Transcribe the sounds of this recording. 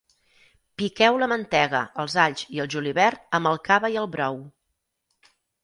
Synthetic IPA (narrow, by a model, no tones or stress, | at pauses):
pikɛwləmənt̪ɛɣə̰əlˠzaʎʲziəlˠʒuliβɛɾt̪əmbəlˠkaβəiəlˠβɾɔw